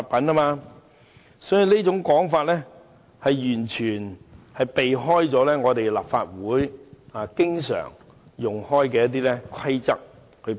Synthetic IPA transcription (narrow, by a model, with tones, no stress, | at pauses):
t̚pɐ˨˥naː˥maː˧ | sɔː˨˥jy˨˧niː˥t͡sʊ˨˧˥ŋkɔː˨˥ŋfaː˧t̚lɛː˥ | hɐ˨jjyː˨˩nt͡ʃʰyː˨˩nhɐ˨jpe˨jɦɔː˥jt͡sɔː˨˥lɛː˥ŋɔː˨˧t̪e˨jla̰ː˨pfaː˧t̚wuː˨˥jaː˨˧kɪ˥ŋsœ̰ː˨˩ŋ | jʊ˨ŋhɔː˥jkɛː˧jɐ˥t̪̬iː˥lɛ˥kʰɐ˥jt͡sɐ˥k̚ | hɵ˨˧